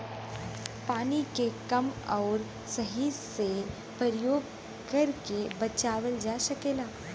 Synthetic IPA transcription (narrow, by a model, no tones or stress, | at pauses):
paːnikekɐmɔːɾ | səɦise | pəɾjoːɡ | kɐɾkebɐt͡ʃaːʋəld͡ʒaʃɐkeːlaː